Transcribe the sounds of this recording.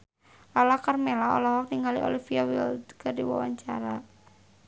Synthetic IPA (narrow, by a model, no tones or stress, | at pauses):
lalakərmelaɔ̰lɔɦɔk̚niŋɡalḭʔo̰lifiawild̪kədiwa̰wa̰ɲt͡ʃaɾa